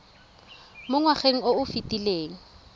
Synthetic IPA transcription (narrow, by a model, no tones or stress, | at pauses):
mʊŋwaχeŋ̩oʊfitʼileːŋ̩